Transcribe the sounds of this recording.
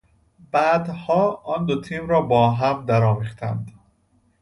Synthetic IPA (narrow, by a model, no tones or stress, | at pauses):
bæːd̪hɒːʔɒːnd̪ot̪ʰiːmɾɒːbɒːɦæmd̪æɾɒːviːχt̪ʰæ̰nd̪